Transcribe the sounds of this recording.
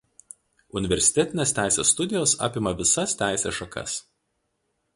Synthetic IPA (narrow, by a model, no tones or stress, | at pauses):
ʊnʲɪʋʲɛɾʲsʲɪ̥t̪ʲɛt̪ʲɪnʲeːsʲt̪ʲæˑɪsʲḛːsːt̪ʊd̪ʲɪjoːsɑ̰ːpʲɪmɐʋʲɪsɐst̪ʲæˑɪsʲeːsʃɐkɐ̰s